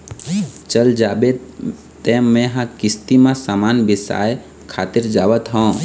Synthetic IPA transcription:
t͡ʃəld͡ʒabe | t̪ẽmẽɦãkist̪imãsamanbisa̰j | kʰat̪iɾd͡ʒabət̪ɦə̃

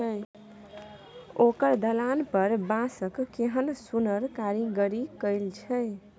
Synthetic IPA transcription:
ə | okəɾd̪əlanpəɾbãsəkkeɦənsunəɾkaɾiɡəɾikəɪlt͡ʃʰəj

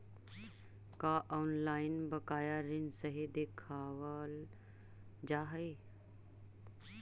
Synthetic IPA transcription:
kaʔɔːnlaːɪnbəkaːjaɾɪnsəɦed̪ekʰaːʋəl | d͡ʒaːɦə

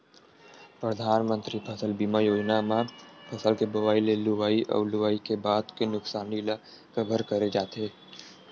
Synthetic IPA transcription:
pɾəd̪ʱaːnmə̃nt̪ɾipʰəsəlbimajoːd͡ʒnamapʰəsəlkebɐʋaːilelʊʋaːiʔɔ̰ːɾlʊʋaːikebaːd̪kenʊksaːnila | kbʱəɾkəɾed͡ʒaːt̪eː

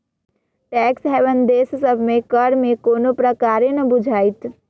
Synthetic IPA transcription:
ʈɛːksɦɛːʋənd̪eːssəbʱmẽkəɾmẽkoːnopɾəkaːɾenəbʊd͡ʒʱaːit̪ʰ

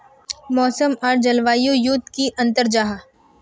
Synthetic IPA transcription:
mɔːsəmɔːɾd͡ʒɐlʋaːjojʊt̪̚ːkiʔɐ̃nt̪əɾd͡ʒaɦa

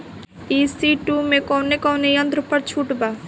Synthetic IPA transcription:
isiʈumẽkɔːnekɔːnejə̃nt̪ɾəpəɾt͡ʃʰuʈbaː

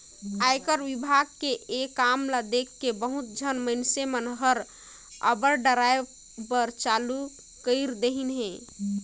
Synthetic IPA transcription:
ajkəɾʋibʱaɡkeʔekamlad̪ekʰːebəɦut̪̚d͡ʒʱənməɪnsemənɦəɾ | ə̰bəɾɖəɾae | bəɾt͡ʃalu | kəɪɾd̪eɦinɦɛ̃ː

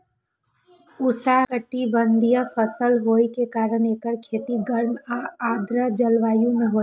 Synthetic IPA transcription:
ʊsaːkəʈːiʋənd̪ʱijafʰəsəlɦoːikekaːɾəneːkəɾkʰeːt̪iɡəɾmaaːd̪ɾəd͡ʒəlʋaːjũmẽɦoː

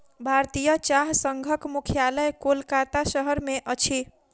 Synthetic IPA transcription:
bʱaɾt̪ijət͡ʃaɦsəŋɡʱəkmukʰjaləjkolkat̪asəɦəɾmeʔət͡ʃʰi

